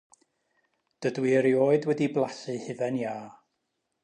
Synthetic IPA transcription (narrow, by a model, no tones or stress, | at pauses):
d̥ədwiəɾioːɨdwɛdiblˠasɨhɨvɛnjaː